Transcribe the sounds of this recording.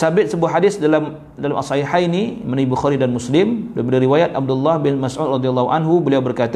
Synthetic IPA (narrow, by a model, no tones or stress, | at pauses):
sabɪt̪̚səbuaɦadɪsdalam | dalamʔasaiħainimənaibuxaɾidanmuslɪmbdapadaɾiwajat̪̚ab̚dʊlːahbɪnmasʔud̪̚rɑd̪ialːɔhuʔa̰nɦubəliawbərkat̪